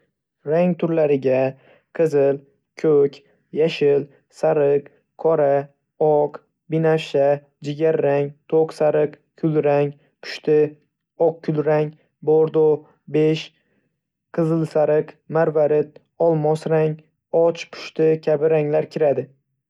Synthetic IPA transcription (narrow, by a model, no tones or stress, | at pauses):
ɾaŋʲt̪ʰʊɾlaɾɪɡʲa | qʰɨzɪl | kʲʰɵkʲ | jaʃɪl | saɾɨq | kʰɒɾa | ɒq | bɪnafʃa | d͡ʒɪɡʲaɾːaŋt̪ʰoqsaɾɨq | kʰʊlɾaŋ | pʰʊ̥ʃt̪ɪ | ɒq̚kʰʊlɾaŋ | boɾd̪o | beʃ | qʰɨzɨlˠsaɾɨq | maɾvaɾɪt̪̚ | ɒlˠmɒsɾaŋ | ɒt͡ʃpʰʊ̥ʃt̪ɪkʲʰabɪɾaŋlaɾkʲʰɪɾad̪ɪ